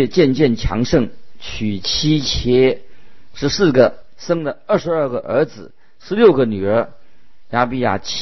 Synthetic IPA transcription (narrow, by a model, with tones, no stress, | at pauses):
t͡ɕjɛ˥˧nt͡ɕjɛ˥˩nt͡ɕʰjɑ̰˧˥ŋʂɤ˥˩ŋt͡ɕʰy˨˩t͡ɕʰi˥t͡ɕʰjɛ˥ʂɻ̩˧˥sɹ̩˥˩ɡə˩ | sɤ˥ŋd̪ə˨ə˞˥˩ʂɻ̩˧˥ɐ˞˥˩ɡə˨ʔə̰˞˧˥d͡zɹ̩˨˩ | ʂɻ̩˧˥ljo˥˩ʊɡə˩ny˨˩ə˞˧˥ | ja˥pi˥˧ja̰˥˩t͡ɕʰ